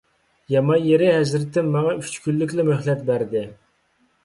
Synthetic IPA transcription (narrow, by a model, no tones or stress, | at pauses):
jɑmɑnjeɾɪhɛzɾɪt̪ːɪnmɑŋɑyt͡ʃkʲʰylːɪkʲlɪmøhlɛt̪̚bæɾd̪ɪ